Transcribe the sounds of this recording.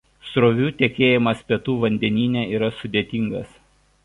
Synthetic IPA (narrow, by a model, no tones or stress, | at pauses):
sɾoːʋʲuːt̪ʲɛkʲeːjɪmɐspʲɛt̪uːʋɐnʲd̪ʲɛnʲiːnʲɛːiːɾɐsʊd̪ʲeːt̪ʲiːŋɡɐs